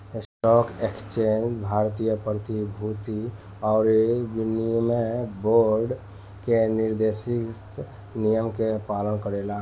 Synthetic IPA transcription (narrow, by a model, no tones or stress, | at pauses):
sʈɔːkekst͡ʃend͡ʒbʱaːɾt̪ijəpɾət̪ibʱut̪i | ɔːɾebinimeboːɾɖ | kenɪɾd̪esɪt̪ | nijəmkepaːlənkəɾeːla